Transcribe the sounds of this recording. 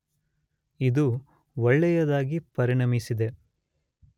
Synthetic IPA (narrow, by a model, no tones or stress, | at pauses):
id̪u | ɔɭːɛjɐd̪aːɡipɐɾiɳɐmisid̪e